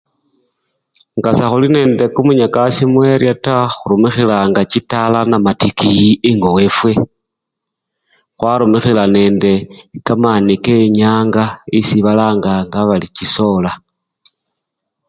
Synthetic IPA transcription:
ŋɡasaxuline̞ːnde̞kumuɲakasimwe̞ɾjataxuɾumixilaŋɡat͡ʃitalanamatikijieŋɡowe̞fwe̞ | xwaɾumixilane̞ːnde̞kamanikeɲaːŋɡaisiβalaːŋɡaŋɡaβalit͡ʃiso̞la

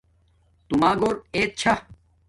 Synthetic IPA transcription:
t̪umaːɡoːɾeːt̪̚t͡ɕʰɐ

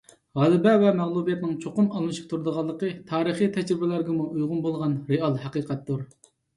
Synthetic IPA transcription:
ʁɑlˠɪbɛvɛmɛʁlˠubijɛt̪nɪŋt͡ʃʰoqʊmɑlˠmɨʃi̥q̚t̪ʰuɾd̪əʁɑlˠːəqət̪ʰɑːɾəχit̪ʰɛd͡ʒɾɪbɪlæɾɡʲɛmuʔujʁʊnbolˠʁɑnɾeɑlˠhɛqiːqɛt̪ːuɾ

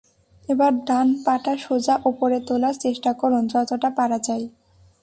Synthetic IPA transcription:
ebaɾɖ̪anpaʈaʃod͡ʑaʔupoɾet̪olaɾt͡ɕeʃʈakɔɾund͡ʑɔt̪oʈapaɾad͡ʑaj

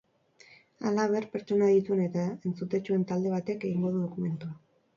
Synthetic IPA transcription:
a̰laβ̞e̞rpe̞ɾt͡ʃo̞naðit̪ue̞ne̞t̪ae̞nt͡sut̪e̞t͡ʃue̞nt̪ald̪e̞β̞at̪e̞ke̞ɣ̞iŋɡo̞ðuð̞o̞kume̞nt̪ua

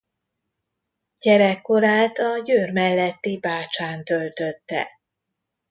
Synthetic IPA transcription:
ɟ̥ɛɾɛkːo̞ɾaːlt̪ɒjøːrmɛlːɛt̪ːibaːt͡ʃaːnt̪ølt̪øt̪ːɛ̰

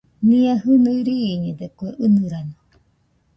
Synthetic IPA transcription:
niahɨnɨɾiːɲed̪ekoeʔɨnɨɾano

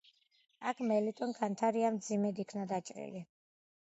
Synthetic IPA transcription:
akʰmɛlit̪ʼɔnkʰant̪ʰaɾiamd̪zimɛd̪ikʰnad̪at͡ʃʼɾḭli

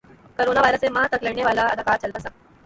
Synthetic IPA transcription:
koɾonaʋajɾəseməɦat̪əkleɳjeʋalaə̰d̪ʱəkaɾt͡ɕəlt̪asa

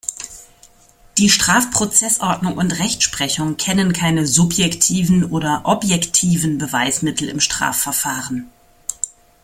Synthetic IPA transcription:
d̥iːʃtʁ̥aːfpʁ̥ot͡sɛsʔɔɐdnʊŋʔʊntʁɛçtʃpʁ̥ɛçʊŋkʰɛnənkʰaɪnəzʊpjɛktʰiːvn̩ʔoːdɐʔɔpjɛktʰiːvn̩bəvaɪsmɪtl̩ɪ̰mʃtʁ̥a̰ːfɛɐfaːʁən

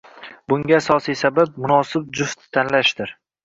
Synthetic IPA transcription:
bʊŋɡʲaːsɒsijsabab̚mʊnɒsɪb̚d͡ʒʊft̪ʰːanlaʃd̪ɪɾ

